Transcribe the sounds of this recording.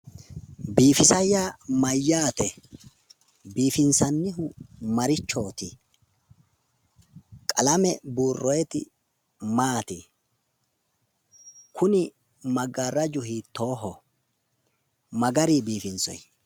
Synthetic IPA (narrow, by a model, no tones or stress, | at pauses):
biːfɪsɐjːaːmɐjːaːt̪ɛ | biːfɪnsɐnːɪɦʊmɐɾɪt͡ʃːo̞ːt̪ɪ | kʼɐlɐmɛbuːrːɔjɛt̪ɪ̰ | maːt̪ɪ | kʰʊnɪ | mɐɡarːɐd͡ʒʊɦiːt̪ːo̞ːɦɔ | mɐɡɐɾiːbiːfɪnsɔ̰j